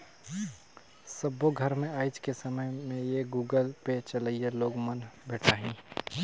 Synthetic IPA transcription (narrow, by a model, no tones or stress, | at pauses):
səbːoɡʱəɾmẽaːɪd͡ʒkesəməjmẽjeɡuːɡəlpet͡ʃələijeloːɡmənbʱeːʈʰaːɦĩː